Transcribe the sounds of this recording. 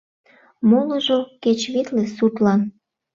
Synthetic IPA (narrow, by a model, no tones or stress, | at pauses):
moləʒoket͡ɕβit̪lesut̪lɑn